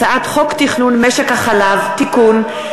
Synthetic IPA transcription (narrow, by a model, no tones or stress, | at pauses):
aʔat̪χoktiχnunmeʃekhaχalavt̪ikun